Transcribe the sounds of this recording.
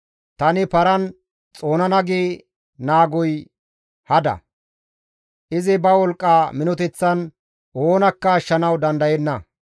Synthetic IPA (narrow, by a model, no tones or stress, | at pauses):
t̪ɐnɪpɐɾɐn | t͡sʼo̞ːnɐnɐɡeː | naːɡɔj | hɐd̪ɐ̰ | ʔɪzɪbɐwɔlkʼːaːmɪnɔt̪ɛt͡sːɐn | oːnɐkːɐːʃːɐnɐwd̪ɐnd̪ɐjɛnːɐ